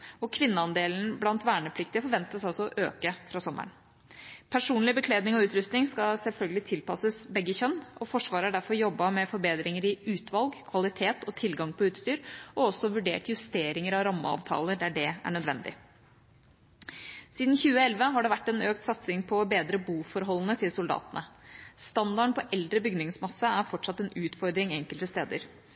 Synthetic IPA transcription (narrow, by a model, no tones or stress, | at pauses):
ɔkʰʋɪnːəɑnd̪eːln̩blɑnt̪ʋæːɳəpʰlɪkt̪ɪfɔɾʋɛnt̪əsɑlsɔʔøːkəfɾɑːsɔmʔə̰ɳ | pʰæʂuːnlɪbəkʰleːd̪nɪŋɔʉːt̪ɾʉst̪nɪŋskɑsɛlfœlɡəlɪt̪ʰɪlpɑsəsbɛɡːəçœnːʔɔfɔʂʋɑːɾəæɖæɾfɔɾjɔbːɑmɛfɔɾbeːd̪ɾɪŋəɾɪʉːt̪ʰʋɑlɡkʰʋɑlɪt̪ʰeːt̪ɔt̪ʰɪlɡɑŋpʰɔʉːt̪st̪yːɾʔɔɔsːɔʋʉɖḛːʈjʉst̪eːɾɪŋəɾɑɾɑmːə̰ɑ̰ːʋt̪ʰɑ̰ːləɖ̪æɖɛæ̰ɳœd̪ʋɛ̰nd̪ɪ̰ | siːd̪nçʉːəɛlʋəɦɑɖɛʋæʈːɛnøːk̚t̪sɑt̪sɪŋpʰɔbeːd̪ɾəbuːfɔɾɦɔlːənət̪ʰɪlsʊld̪ɑ̰ːt̪ənəst̪ɑnd̪ɑɳpʰɔʔɛld̪ɾəbʏɡnɪŋsmɑsːɑæɾfɔʈʂɑt̪ːɛnʉːt̪fɔɾd̪ɾɪŋɛŋkəlt̪əst̪eːd̪ə̰ɾ